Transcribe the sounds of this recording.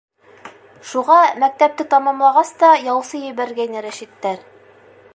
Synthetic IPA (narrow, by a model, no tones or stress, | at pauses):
ʃuʁɑmæk̚t̪æp̚t̪ɘt̪ɑmɑmlˠɑʁɑst̪ɑjɑwsɤjɘ̆βæɾɡæjnɘɾæʃit̪ːæɾ